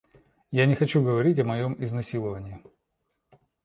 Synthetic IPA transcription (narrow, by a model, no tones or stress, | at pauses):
janʲɪxɐt͡ɕuɡəvɐɾʲitʲɐmɐjo̞mɪznɐsʲilˠəvənʲɪː